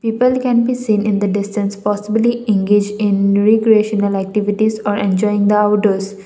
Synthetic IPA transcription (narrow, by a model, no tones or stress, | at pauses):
piːpəlkɛ̃nbiːsĩːnɪ̃nd̪əɖɪsʈə̃nspɔːsɪbliɪ̃ŋɡeːd͡ʒɪ̃nɾekɾieʃənəlæk̚ʈɪʋɪʈizɔːɾɛ̃nd͡ʒɔɪɪ̃ŋd̪əaʊʈəz